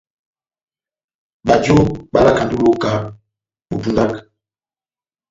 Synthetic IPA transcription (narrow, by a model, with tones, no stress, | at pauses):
ɓa˨d͡ʒo˦ɓa˦la˦˨ka˨ndu˦lo˦ka˨˦ | mu˨pu˦nda˦k